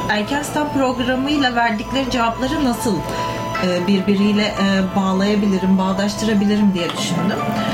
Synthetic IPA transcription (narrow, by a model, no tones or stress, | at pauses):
æɾcʰænst̪ʰanpɾo̞ɡɾamɯjlˠavæɾd̪iclʲe̞ɾid͡ʒevaplˠaɾɯnasɯlˠ | ɯːbiɾbiɾijlʲɛʔbaːlˠajabilʲiɾimbaːlˠaʃt̪ʰɯɾabilʲiɾimd̪ijɛd̪yʃynd̪ym